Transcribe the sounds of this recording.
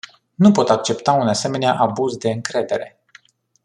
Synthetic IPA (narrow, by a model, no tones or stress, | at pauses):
nupo̞t̪ak̚t͡ʃe̞pt̪aunase̞me̞neaʔabuzd̪e̞ɨŋkɾe̞d̪e̞ɾe̞